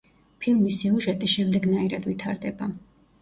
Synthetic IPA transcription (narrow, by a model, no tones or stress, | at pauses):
pʰilˠmisiuʒɛt̪ʼiʃɛmd̪ɛɡnaiɾad̪vit̪ʰaɾd̪ɛba